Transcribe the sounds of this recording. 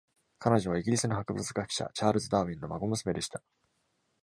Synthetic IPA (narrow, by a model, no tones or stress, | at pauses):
kʰano̞ʑo̞βaiɡʲiɾʲisɨnohakɯ̟bɯ̟t͡sɨɡakɯ̥ɕa̰t͡ɕaːɾɯ̟zɨd̪aːβʲĩnːo̞maɡo̞mɯ̟sɨme̞d̪e̞ɕi̥t̪a